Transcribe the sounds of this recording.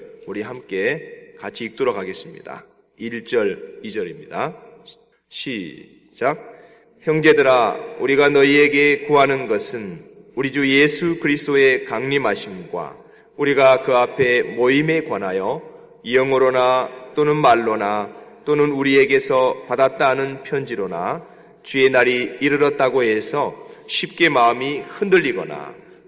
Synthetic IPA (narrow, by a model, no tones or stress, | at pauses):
uɾiɦamk͈e̞kat͡ɕʰiːk̚t͈oɾʌɡaɡe̞s͈ɯmɲḭda̰ | iɭt͡ɕ͈ʌɾid͡ʑʌɾimɲida | ɕʰi | d͡ʑak̚ | çjʌŋd͡ʑe̞dɯɾauɾiɡanʌie̞ɡe̞kuɦanɯnɡʌsʰɯn | uɾid͡ʑuje̞sʰukɯɾisʰɯd͈oe̞kaŋɲimɦaɕʰimɡwa̰ | uɾiɡakɯapʰe̞moime̞kwanɦajʌ | iʌŋɯɾonat͈onɯnmaɭːonat͈onɯnuɾie̞ɡe̞sʰʌpadat̚t͈anɯnpʰjʌnd͡ʑiɾona̰ | t͡ɕɥie̞naɾiːɾɯɾʌt̚t͈aɡoɦe̞sʰʌɕʰip̚k͈e̞maɯmihɯndɯʎːiɡʌ̰na̰